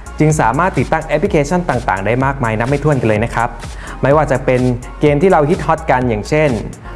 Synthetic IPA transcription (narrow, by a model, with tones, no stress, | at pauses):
t͡ɕɯ˧ŋsaː˩˦maː˥˩t̪ːi˨˩t̪ːa˥˩ŋʔɛ˦˥pʰli˦˥kʰeː˧˥t͡ɕʰa˥˩nt̪aː˨˩ŋt̪aː˨˩ŋdaː˥˩jmaː˥˩k̚maː˧jna˦˥p̚mːa˥˩t̪ʰu˥˩ənka˧lɤː˧jna˦˥kʰɾa˦˥p̚ | ma˦˥˩jwaː˥˩t͡ɕa˨˩pe˧n | keː˧mt̪ʰiː˥˩ɾa˧wɦi˦˥t̪̚hɔ˦˥t̪̚ka˧njaː˨˩ŋt͡ɕʰe˥˩n